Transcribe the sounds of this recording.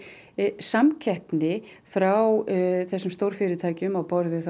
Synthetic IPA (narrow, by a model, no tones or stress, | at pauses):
samcʰɛhpnɪfɾawθɛsːʏmst̪owɾ̥fɪːɾɪt̪ʰaːjcʏmawpɔɾðɪθ